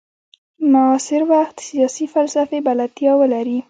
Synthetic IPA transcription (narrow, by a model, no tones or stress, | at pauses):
maɑsɪɾwaxt̪sijɑsifalsafebalat̪jɑwəlaɾi